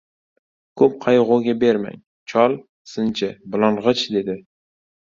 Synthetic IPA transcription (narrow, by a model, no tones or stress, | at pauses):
kʰɵp̚qʰɑjʁʊɡʲabeɾma̰ŋ | t͡ʃʰɒlˠ | sɨnt͡ʃʰɪblˠɑɴʁɨt͡ʃd̪e̞d̪ɪ